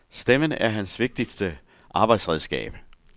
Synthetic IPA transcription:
sd̥emənəʔæɐɦænsʋe̝ɡ̥̚d̥isd̥ə | ʔɑ̈ːb̥ɑ̈ɪd̥sʁɛðˠsɡ̥ɛ̰ːb̥

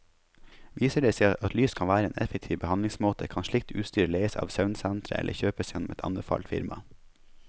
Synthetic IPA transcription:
ʋiːsəɖeseɪʔɑt̪lyːskʰɑnʋæːɾəḛːnʔɛfɛk̚t̪ʰiːʋbəhɑnd̪ɪŋsmoːt̪ʰəkʰɑnʃɭɪk̚t̪ʉ̰ːt̪st̪yːɾleɪəsɑ̰ːʋsɑʉnsɛnt̪ʰɾəʔɛ̰ləçøːpəsjɛnɔmɛt̪ʰɑ̰nbəfɑ̰lt̪fɪ̰ɾmɑ̰

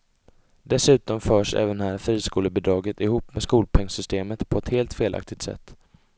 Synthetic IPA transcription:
d̪ɛsʉ̟ːt̪ɔmfœːʂɛ̰ːvənhæːɾfɾiːskuːləbɪːd̪ɾɑːɡət̪ɪhuːpːmɛskuːlpʰɛŋsʏst̪eːmət̪pʰɔɛt̪heːlt̪feːlʔa̰k̚t̪ɪɡ̚t̪sɛ̰t̪ː

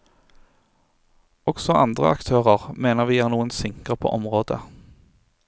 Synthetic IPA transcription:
ɔɡ̥sɔʔɑnd̪ʁə̰ɑ̰kt̪ʰøːʁəʁmeːnəʁʋiːæːʁnuːənsɪŋkʁəpʰo̰ːʔɔmʁoːd̪ə̰

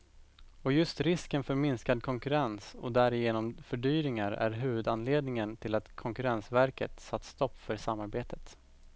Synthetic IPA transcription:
ɔjɵst̪ɾɪskənfœɾmɪnskad̪̚kʰɔŋkɵɾɛnsɔ̰d̪æɾɪjeːnɔmfœɖyːɾɪŋaɾæ̰ɾɦʉ̟ːvɵd̪anleːd̪nɪŋənt̪ʰɪlat̪kʰɔŋkɵɾɛnsvæɾkə̰t̪sat̪ːst̪ɔpːfœɾsamːaɾbeːt̪ʰə̥t̪

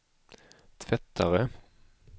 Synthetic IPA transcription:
t̪ʰvɛt̪ʰːaɾə

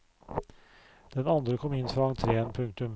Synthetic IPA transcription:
d̪̥ɛnand̪ɾəkʰɔmːɪnːfɾaŋt̪ʰɾeːənpʰɵŋk̚t̪ɵm

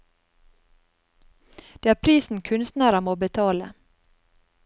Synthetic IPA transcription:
d̪̥eːæːɾpʰɾiːsn̩kʰʉnst̪næɾəmoːbət̪ʰɑːlə̰

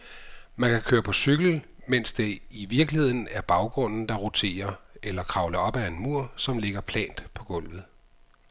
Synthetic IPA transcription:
mænkʰækʰøːɐpʰɒ̽syɡ̥l̩ | men̰sd̥e̝iʋiɐɡ̥lihe̝ð̞̰ˠn̩æɐb̥ɑ̈ʊɡ̥ʁɔ̽n̰n̩d̥ɑ̈ʁot͡sʰe̝̰ːɐelɐkʰʁɑ̈ʊlɐɒ̽b̥æe̝nmuɐ̰sɒ̽mle̝ɡ̥ɐpʰlɛ̰ːnd̥pʰɒ̽ɡ̥ɔ̽l̰ʋð̞̩ˠ

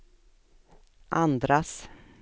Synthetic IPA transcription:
ʔand̪ɾas

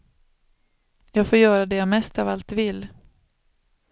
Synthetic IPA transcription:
jɑːɡfoːɾjœːɾad̪ɛjɑːmɛst̪avalt̪vɪlː

